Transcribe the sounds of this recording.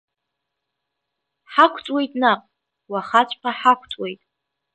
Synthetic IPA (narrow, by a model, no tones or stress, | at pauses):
ħakʷʰt͡sʼwe̞jtʼnaqʼ | waχat͡ʃʷʼpʰaħakʷʰt͡sʼwe̞jtʼ